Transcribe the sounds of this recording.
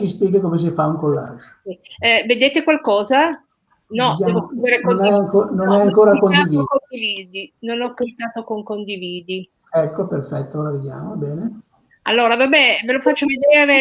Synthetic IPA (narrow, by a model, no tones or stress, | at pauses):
sispjeːɡekomes̬efauŋkolːa̰d͡ʒ | sived̪eːt̪ekwalkɔːza | nɔd̪jaɛːvoskɾiːveɾekonɛaŋkononɛaŋkoːɾakonad̪iviːkond̪iviːd̪inonɔkːapit̪aːt̪okoŋkond̪iviːd̪i | ɛkːoperfɛt̪ːolaved̪ja̰ːmobɛːne | alːoːɾavabɛvelofat͡ʃːoved̪eːɾe